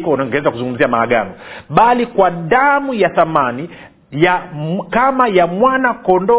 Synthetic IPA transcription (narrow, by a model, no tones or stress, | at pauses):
kɔnŋɡɛɛzakuzuŋɡum̩ziamaːɠa̰nɔɓalikwaɗamujaθamani | jakamajamwanakɔndɔ